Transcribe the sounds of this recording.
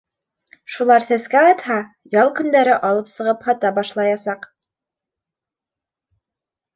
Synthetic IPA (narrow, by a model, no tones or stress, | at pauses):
ʃulˠɑɾsæskæɑt̪hɑ | jɑlˠkɵ̆nd̪æɾɘʔɑlˠɤpsɤ̆ʁɤphɑt̪ɑbɑʃlˠɑjɑsɑq